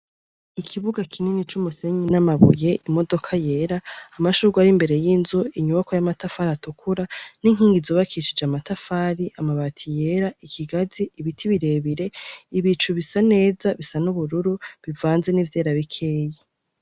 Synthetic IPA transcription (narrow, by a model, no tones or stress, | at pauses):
ikʰiβuɡakʰininit͡ʃumuse̞ɲinamaβṵje̞ʔimo̞do̞kʰaje̞ɾaːmaʃuɾɡaɾimbe̞ɾe̞jiːnzuiɲuβakojamatafaɾatukʰuɾaniŋ̥iːŋɡizoːβakʰiʃid͡ʒamatafaːɾiʔamaβatʰije̞ɾaikʰiɡaziːβitʰiβiɾe̞βiɾe̞iβit͡ʃuβisane̞ːzaβisanuβuɾuɾuβivaːnze̞nivje̞ːɾaβikʰeːje